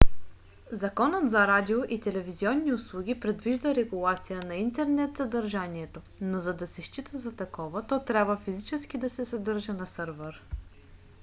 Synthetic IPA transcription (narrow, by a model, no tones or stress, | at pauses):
zɐkɔnət̪zɐɾad̪ʲioʔit̪ɛlɛviziɔnːiʊslˠuɡ̟ʲipɾɛd̪viʒd̪əɾɛɡulˠat̪sijənɐint̪ɛɾnɛt̪zɐd̪ɐɾʒaniɛt̪o | nozɐd̪ɐsɛʃt͡ʃit̪əzɐt̪ɐkɔvət̪ɔt̪ɾʲabvəfizit͡ʃɛskʲid̪ɐsɛsɐd̪ɤɾʒənɐsɤɾvɛɾ